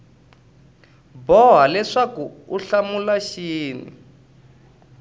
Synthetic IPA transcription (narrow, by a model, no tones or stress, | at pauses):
bɔɦalɛʂakuuɬamulaʃiːnḭ